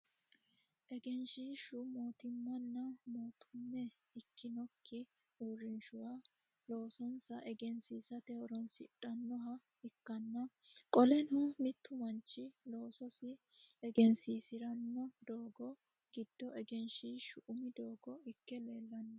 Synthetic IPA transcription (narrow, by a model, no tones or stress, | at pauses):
ʔɛɡɛnʃiːʃʊmoːt̪ɪmːɐnːɐmoːt̪ʰʊmːɛ | ɪkːɪnɔkʰːɪ | uːɾɪnʃʊwaː | lo̞ːsɔnsɐʔɛɡɛnsiːsɐt̪ɛhɔɾɔnsɪᶑɐnːɔɦɐ | ɪkːɐnːɐ | kʼɔlɛnʊmɪt̪ːʊmɐnt͡ʃːɪlo̞ːsɔsɪ | ɛɡɛnsiːsɪɾɐnːɔd̪oːɡɔ | ɡɪd̪ːɔɛɡɛnʃiːʃʊʔʊmɪd̪oːɡɔɪkːɛleːlːɐnː